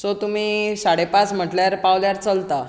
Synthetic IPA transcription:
sot̪um̤iːsaɽ̤epãt͡sm̤əʈljaɾpawljaɾt͡səlt̪a

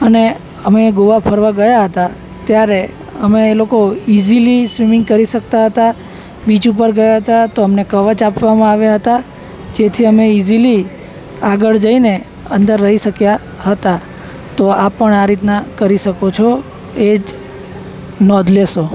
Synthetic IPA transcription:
əne | əmeɡoʋapʰəɾʋaɡəjaɦət̪a | t̪jaɾe | əmeːlokoizilisʋimɪ̃ŋɡ̚kəɾiʃək̚t̪aɦət̪a | bid͡ʒupəɾɡəjaɦət̪at̪oəmnekəʋət͡ʃapʋamãaʋjaɦət̪a | d͡ʒet̪ʰiəmeizili | aɡəɭd͡ʒəine | ənd̪əɾːəɦiʃəkja | ɦət̪a | t̪oapːəɳaɾit̪nakəɾiʃəkot͡ʃʰo | ed͡ʒ | nɔd̪ʱleʃo

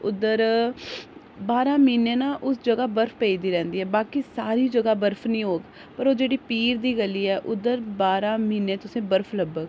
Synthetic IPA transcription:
ʊd̪əɾ | baːɾãːmiːneːnãːʔʊsd͡ʒəɡaːbəɾpʰpeːiːd̪iːɾɛ̃ːnd̪iːɦɛːbaːkiːsaːɾiːd͡ʒəɡaːbəɾpʰnəĩːɦoːɡ | pəɾoːd͡ʒeːɽiːpiːɾd̪iːɡəliːɛːʔʊd̪ːəɾbaːɾãːmiːneːt̪ʊsẽːbəɾpʰləbəɡ

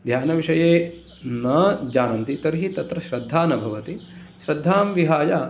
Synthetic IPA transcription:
d̪ʱjaːnɐʋiʂɐjeː | nɐd͡ʒaːnɐnt̪it̪ɐɾiɦit̪ɐt̪ɾɐʃɾɐd̪ʱːaːnɐbʱɐʋɐt̪i | ʃɾɐd̪ʱːaːmʋiɦaːjaː

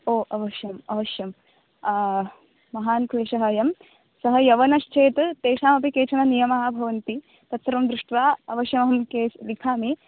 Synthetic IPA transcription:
oːʔɐʋɐʃjɐmɐʋɐʃjɐm | mɐɦaːnkɾeːʃɐɦɐjɐm | sɐɦɐjɐʋɐnɐʃt͡ʃʰeːt̪t̪eːʃaːmɐpikeːt͡ʃʰɐnɐnijɐmɐɦɐbʱɐʋɐnt̪i | t̪ɐt̪sɾɐmd̪ɾuʂʈʋaːɐʋɐʃjɐmɐɦɐmkeːlikʰaːmi

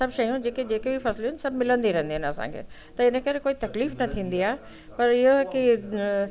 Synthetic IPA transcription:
sɐbʃɐjũd͡ʑeːked͡ʑeːkebʱifɐslɦɪnɪ̆sɐbʱmɪlə̃nd̪iɾɐ̃ɦɪ̃nd̪iɦɪ̃nɐsã̰ːŋkʰḛː | t̪ɐɪnə̆kɐɾekoːit̪ɐkliːfnɐt̪ʰĩːnd̪iaːe | pɐɾɪɦoki

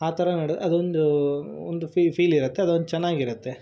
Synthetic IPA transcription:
aːt̪ɐɾɐnɐɽɐd̪uond̪uond̪upipʰiːliɾɐt̪ːeɐd̪uond̪ut͡ʃɛnːaːɡiɾɐt̪ːe̞

